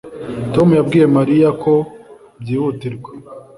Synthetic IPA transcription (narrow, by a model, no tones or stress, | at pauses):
to̞mujab̚ɡiːje̞maɾijakʰo̞ | bjiːhutiɾɡwe